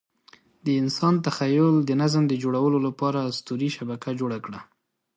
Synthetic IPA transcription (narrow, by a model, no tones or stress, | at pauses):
d̪əɪnsɑnt̪axajʊld̪ənazmd̪əd͡ʒoɽawəlolapɑɾast̪uɾiʃabakad͡ʒoɽakɽa